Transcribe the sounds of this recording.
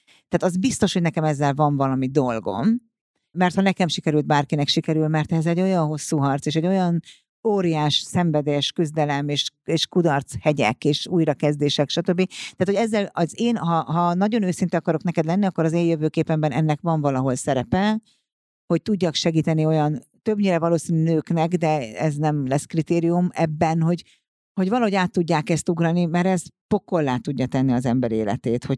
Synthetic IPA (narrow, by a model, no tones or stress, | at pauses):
t̪aːt̪ɒzbist̪o̞ʃhoɟnɛkɛmɛzːɛlvɒɱvɒlɒmid̪o̞lɡo̞̰mː | ɛrt̪hɒnɛkɛmʃikɛɾylt̪̚baːrkinɛkʃikɛɾylmɛrt̪ɛzɛɟːo̞jɒnɦo̞sːuːɦɒrt̪seːʃɛɟːo̞jɒn | oːɾijaːʃsɛɱvɛd̪eʃkyzd̪ɛlɛmeːʃeːʃkud̪ɒrt̪shɛɟɛ̰keːʃuːjɾɒkɛzd̪eːʃɛkʃɒt̪øbːit̪aːt̪hɛzːɛlɒzeːnɦɒɦɒnɒɟo̞nøːsint̪ɛɒkɒɾo̞knɛkɛd̪lɛnːiɒkːo̞ɾɒzeːjøvøːkeːpɛmbɛnɛnːɛkvɒɱvɒlɒɦo̞lsɛɾɛpɛ | ho̞c̚t̪uɟːɒkʃɛɡiːt̪ɛnio̞jɒnt̪ø̞bɲiːɾɛvɒloːsinnøːknɛɡd̪ɛɛ̰znɛmlɛskrit̪eːɾijumɛbːɛnɦo̞ɟ | ho̞ɟvɒlɒɦo̞ɟaːt̪ːuɟːaːkɛst̪uɡɾɒnimɛɾɛst̪po̞kːo̞lːaːt̪uɟːɒt̪ɛnːiɒzɛmbɛɾiḛːlɛ̰t̪eːt̪ho̞